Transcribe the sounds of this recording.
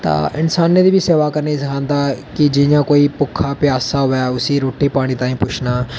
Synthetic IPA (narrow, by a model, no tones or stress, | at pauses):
t̪a̰ːʔɪnsaːnːed̪iːbʱiseːʋakɐɾneĩsɐkʰãːnd̪aːkid͡ʒɪ̃jãːkoːipʊkʰːapɪaːsaɦʊjaʊsiɾoːʈipaːɽ̃iːt̪ãːĩpʊt͡ʃʰnaː